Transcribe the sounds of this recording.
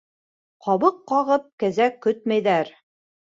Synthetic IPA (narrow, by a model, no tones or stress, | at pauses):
qɑβɤqːɑʁɤp̚kæzækːɵt̪̚mæjðæɾ